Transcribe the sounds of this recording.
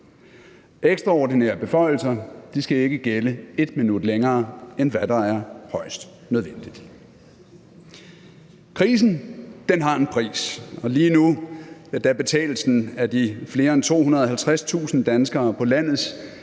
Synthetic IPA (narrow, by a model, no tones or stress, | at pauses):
eɡ̥sd̥ʁɑ̈ɒːd̥ineːɐ̰b̥e̝fɒ̽ɪ̰l̩sɐd̥isɡ̥æe̝ɡ̥əɡ̥eləe̝d̥minud̥leŋɐːenʋæd̥ɑ̈æɐhɒ̽ɪ̰sd̥ | nøð̞ˠʋen̰d̥id̥ | kʰʁḭːs̬n̩d̥enɦɑ̈e̝npʰʁḭːsɒ̽liːnuæd̥æb̥e̝t͡sʰɛ̰ːl̩sn̩æd̥ifle̝ːɐent͡sʰo̝̰ːɦunɐð̞ˠɒɦælt͡sʰʁast͡sʰṵːsn̩d̥ænsɡ̥ɐːpʰɒ̽læn̰ð̞̩ˠs